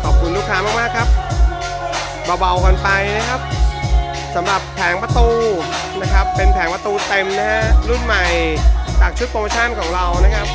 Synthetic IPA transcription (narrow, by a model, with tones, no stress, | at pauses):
kʰɔː˨˩p̚kʰu˧nlu˦˥˩k̪ʰaː˧˦maː˥˩k̚maː˥˩kʰa˦˥p̚ | baː˧wba˧˩wka˧npa˧jna˦˥kʰa˦˥p̚ | sa˩˦mɾa˨˩pʰːɛː˩˦ŋpa˧t̪uː˧ | na˦˥kʰa˦˥pːe˧npʰɛː˩˦ŋpa˧t̪uː˧t̪e˧mna˦˥ha˦˥ɾu˥˩nma˨˩jt͡ɕaː˨˩k̚t͡ɕʰu˦˥t̪̚kʰo˧ŋpa˧t͡ɕʰaː˥˩nkʰɔː˩˦ŋɾa˧wna˦˥kʰa˦˥p̚